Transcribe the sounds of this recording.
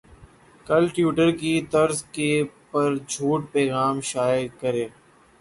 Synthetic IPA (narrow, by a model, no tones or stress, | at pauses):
kəlʈjuːʈəɾkit̪əɾzkepəɾd͡ʒʱuːʈpɛːɣaːmʃaːjəkəɾẽː